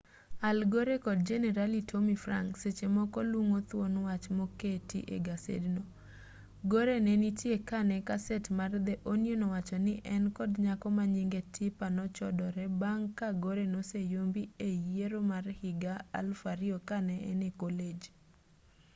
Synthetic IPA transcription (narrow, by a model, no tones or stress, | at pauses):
alɡoɾekɔd̚d͡ʒɛnɛɾalitʰomifra̰ŋkset͡ʃemɔkɔluŋot̪wonwat͡ʃmoketḭʔḛɡasḛdno | ɡoɾenenitjekanɛkasɛtmard̪ɛʔonjonɔwat͡ʃɔnɪʔɛnkɔdɲakɔmaɲiŋɡetʰɪpanɔt͡ʃɔdɔɾɛbaŋkaɡoɾenosejombiejeɾomarhɪɡaa̰lfaɾiɔkanɛɛ̰nekoled͡ʒ